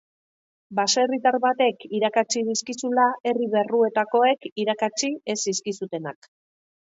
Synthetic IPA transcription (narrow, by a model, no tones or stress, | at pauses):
baserit̪aɾβat̪e̞kiɾakat͡ʃiðiskisulae̞riβe̞rue̞t̪ako̞e̞kiɾakat͡ʃie̞siskisut̪e̞nak